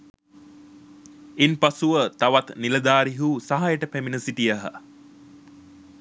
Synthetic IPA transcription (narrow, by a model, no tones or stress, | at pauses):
enpasuʋət̪aʋat̪niləd̪aːɾiɦusaɦajəʈəpæminəsiʈijəɦə̰